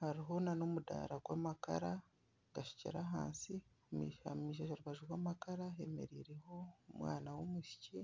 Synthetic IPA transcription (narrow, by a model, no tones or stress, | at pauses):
haɾiɦo̞nanomuda̰ːɾaɡwaːmaka̰ɾa | ɡaʃi̥cḭɾaɦa̰ːnsi | mḭʃa̰miːʃ̬aʃoɾuβaʒuɾwaːmakaɾaɦeme̞̰ɾiːɾeho̞mwaːnawomuʃi̥ci